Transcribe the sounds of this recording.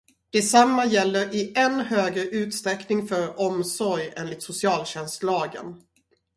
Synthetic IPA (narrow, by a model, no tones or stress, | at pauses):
d̪̥ɛsamːajɛlːəɾɪʔɛnːhøːɡɾəʔʉ̟ːt̪st̪ɾɛknɪŋfœɾɔmsɔɾjḛːnlɪt̪sʊsɪɑːlɕɛnst̪lɑːɡə̰n